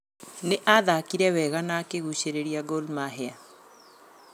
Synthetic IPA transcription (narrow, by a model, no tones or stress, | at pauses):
neʔaðaːkiɾɛwɛɣanakeɣuɕeɾeɾiaɡolmaɦea